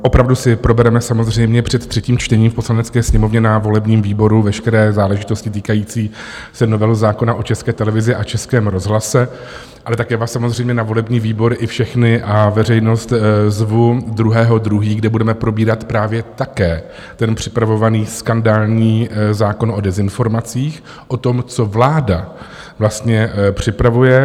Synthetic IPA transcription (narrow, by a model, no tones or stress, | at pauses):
ʔo̞pɾavdusɪpɾo̞bɛɾɛmɛsamo̞zr̝ɛjmɲɛpr̥ɛt̪ːr̥ɛciːmt͡ʃt̪ɛɲiːmfpo̞slanɛt͡skɛːsɲɛmo̞vɲɛnavo̞lɛbɲiːmviːbo̞ɾuvɛʃkɛɾɛːzaːlɛʒɪt̪o̞scɪt̪̬iːkajiːt͡siːsɛnovɛːɦozaːko̞naʔo̞t͡ʃɛskɛːt̪ɛlɛvɪzɪʔat͡ʃɛskɛːmɾo̞zɦlasɛ | ʔalɛt̪akjɛːvaːsamozrɛjmɲɛnavo̞lɛbɲiːviːbo̞ɾʔɪfʃɛxnɪʔavɛr̝ɛjno̞st̪zvud̪ɾuɦɛːɦo̞d̪ɾuɦiːɡdɛbudɛmɛpɾo̞biːɾat̪pɾaːvjɛt̪akɛː | t̪ɛnpr̝̥ɪ̥pɾavo̞vaniːskandaːlɲiːzaːko̞nʔo̞dɛzɪnfo̞ɾmat͡siːx | ʔo̞t̪o̞mt͡so̞vlaːda | vlast̪ɲɛpr̝̥ɪpɾavujɛ